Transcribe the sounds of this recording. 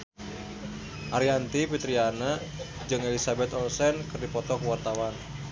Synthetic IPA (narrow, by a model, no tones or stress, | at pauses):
ʔaɾiant̪ipit̪ɾiana | d͡ʒɨŋelisabɛt̪ɔlsɛnkɨrdipɔt̪ɔkuwart̪awan